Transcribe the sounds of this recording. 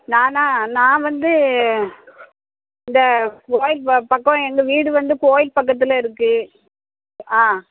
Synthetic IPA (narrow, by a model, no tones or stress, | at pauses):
nãːnãːnãːʋɐnd̪ɯ | ɪnd̪ɐkoːjɪlppɐkːɔ̃ɛŋɡɐʋiːɽɯʋɐnd̪ɯkoːjɪlpɐk̬ːɐt̪̬ːɪlɐɪɾɯkːɯ | aː